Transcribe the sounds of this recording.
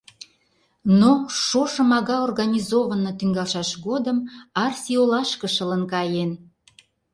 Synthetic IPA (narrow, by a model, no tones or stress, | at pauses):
noʃoʃəmɑɣɑorɣɑnʲizovənot̪yŋɡɑlˠʃɑʃɣod̪əmɑrsiolɑʃkəʃələnkɑjen